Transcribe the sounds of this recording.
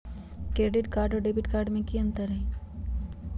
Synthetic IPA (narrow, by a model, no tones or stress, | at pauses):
kɾeːɖɪʈkaːɾɖoɖebiʈkaːɾɖmẽkiə̃nt̪əɾəɦĩ